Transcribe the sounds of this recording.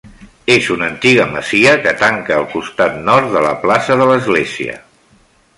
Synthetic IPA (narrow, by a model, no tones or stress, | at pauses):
ezunənt̪iɣ̞əməz̥iəkət̪aŋkəːlˠkust̪at̪nɔɾt̪̚ðələ̰plasəðələzɣleziə̰